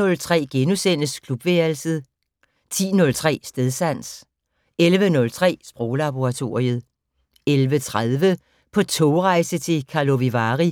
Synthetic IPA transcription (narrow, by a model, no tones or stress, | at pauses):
ɔ̽lt͡sʰʁɛ̰ːɡ̥enusen̰əskʰlub̥ʋeɐl̩səð̩ˠ | t͡sʰḭːnɔ̽lt͡sʰʁɛ̰ːsd̥eðˠsæn̰s | elʋənɔ̽lt͡sʰʁɛ̰ːsb̥ʁɔːlɑb̥o̝ʁɑ̈t͡sʰo̝ːɐ̰ʁiəð̩ˠ | elʋət͡sʰʁað̞ˠʋə | pʰɒ̽t͡sʰoʊʁɑ̈ɪsət͡sʰe̝kʰɑ̈lo̝ʋiʋɑ̈ːʁi